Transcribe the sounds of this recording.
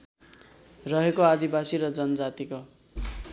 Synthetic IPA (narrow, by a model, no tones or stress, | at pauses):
rʌɦekoad̪ibasiɾʌd͡zʌnʌd͡zat̪iko